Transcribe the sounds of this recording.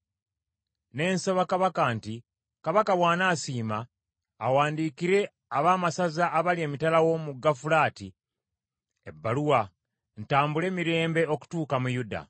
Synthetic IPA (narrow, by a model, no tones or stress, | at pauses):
ne̞ːnsoβakaβakanti | kaβakaβwaːnasiːmaː | waːndiːkiɾe̞ | aβaːmasazaʔːβalie̞ːmitalawo̞muɡafulaːti | ebːaluwa | ntaːmbule̞ːmiɾe̞ːmbe̞o̞ku̥tuːkamujuda̰